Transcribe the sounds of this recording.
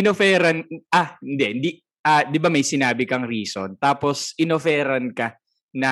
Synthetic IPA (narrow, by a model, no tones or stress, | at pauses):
ɪnofɛːɾɐnʔahɪnd̪ɛʔɪnd̪i | ʔaːd̪ɪbamɐjsɪnaːbɪkɐŋɾiːso̰nt̪aːposʔɪnofɛːɾɐnkɐ | nɐ